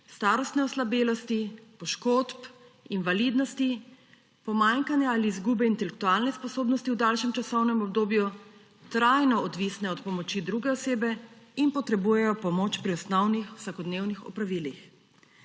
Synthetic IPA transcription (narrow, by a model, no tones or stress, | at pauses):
st̪aːɾɔst̪nɛɔslabeːlɔst̪ipɔʃkoːt̪p | invalid̪nɔst̪i | pɔmaŋkanjaaliːzɡuːbɛint̪ɛlɛk̚t̪ualnɛspɔsoːbnɔst̪iwd̪alʃɛmt͡ʃasɔwnɛmɔb̚d̪oːbju | t̪ɾajnɔɔd̪ʋisnɛɔt̪pɔmɔt͡ʃid̪ɾuːɡɛɔseːbɛinpɔt̪ɾɛbujɛjɔpɔmoːt͡ʃpɾiɔsnɔwnixw̥sakɔd̪neːwnixɔ̰pɾaʋiːlix